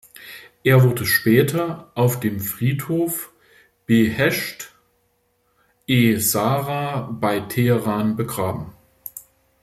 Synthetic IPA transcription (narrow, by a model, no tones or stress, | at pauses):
ʔeːɐvʊɐdəʃpɛːtʰɐʔaʊfd̥eːmfʁ̥iːthoːf | b̥əhɛʃt | ʔeːzaːʁaːb̥aɪtʰeəʁaːnbəɡʁaːbm̩